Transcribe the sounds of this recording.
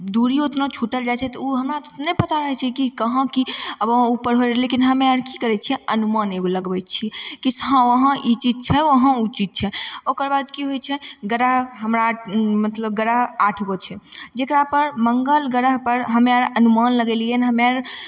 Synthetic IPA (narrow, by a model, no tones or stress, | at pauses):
d̪uɾiot̪nat͡ʃʰuʈəld͡ʒat͡ʃʰɛt̪ɔuɦəmɾat̪t̪nepət̪aɾəɦɛt͡ʃʰɛkikəɦə̃kiəbəɦupəɾɦoɾlekinɦəmeaɾkikəɾɛt͡ʃʰɛənumaneɡoləɡbɛt͡ʃʰikisɦãʋəɦə̃ʔit͡ʃid͡ʒt͡ʃʰɛəɦə̃ut͡ʃit̪̚t͡ʃʰɛokəɾbad̪kiɦojt͡ʃʰɛɡəɾəɦɦəmɾamət̪ləb̚ɡəɾəɦaʈʰɡot͡ʃʰɛd͡ʒekɾapəɾməŋɡəlɡəɾəɦpəɾɦəmeaɾənumanləɡɛliɛnɦəmaɾ